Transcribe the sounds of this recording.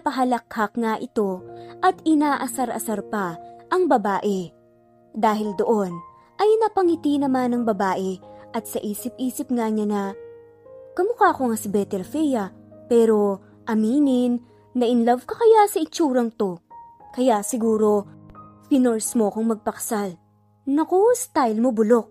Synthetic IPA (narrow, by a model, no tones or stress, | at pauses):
ɐpɐɦɐlɐkhɐkŋaʔɪt̪o̞ʔɐt̪ɪnaːʔɐsɐɾʔɐ̰sɐɾpɐʔɐŋbɐbaːʔɛ | d̪aːɦɪld̪o̞ʔo̞n | ʔɐjnɐpɐŋɪt̪inɐmanɐŋbɐbaːʔɛʔɐt̪̚sɐʔiːsɪp̚ʔiːsɪp̚ŋaɲɐnɐ | kɐmʊkaːko̞ŋasɪbɛt̪ɛlfɛjɐpɛːɾo̞ | ʔɐmiːnɪnː | ɐʔɪnlɐvkɐkɐjasɐʔɪt͡ʃuːɾɐŋt̪o̞kɐjaʔsɪɡuːɾo̞pɪnoɹsmoʔɐkoŋmɐɡ̚pɐkɐ̥sal | nɐkost̪ajlmo̞bʊlo̞k̚